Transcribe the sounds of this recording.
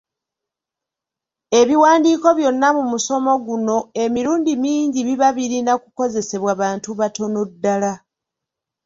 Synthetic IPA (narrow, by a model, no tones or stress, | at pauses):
e̞βiwaːndiːko̞βjo̞nːamumuso̞mo̞ɡuno̞e̞miɾuːndimiːɲɟiβiβaβiɾinakuko̞ze̞se̞βwaβaːntuβato̞nudːala